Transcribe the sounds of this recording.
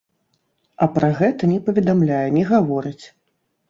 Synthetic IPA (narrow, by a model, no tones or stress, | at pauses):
ɐpɾɐɣɛt̪ɐnʲɛpɐvʲɛd̪amlʲajɛnʲɛɣavɔɾɨt͡sʲ